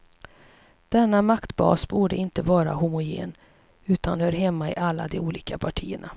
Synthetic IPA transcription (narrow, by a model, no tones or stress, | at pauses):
d̪̥ɛnːamakt̪bɑ̰ːsbuːɖəɪnt̪əvɑːɾa̰hʊmʊjḛːn | ʉ̟ːt̪anhœːɾɦɛmːaɪ̰ʔalːad̪ɛuːliːkapʰaʈʰiːəɳa̰